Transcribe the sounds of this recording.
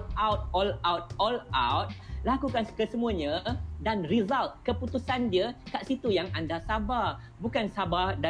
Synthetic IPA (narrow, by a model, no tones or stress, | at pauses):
awt̪̚ɔlawt̪̚ɔlawt̪̚lakukanskəsəmuaɲãdanrizalt̪̚kəput̪usandiəkaʔsit̪ujaŋandasaba | bukansabada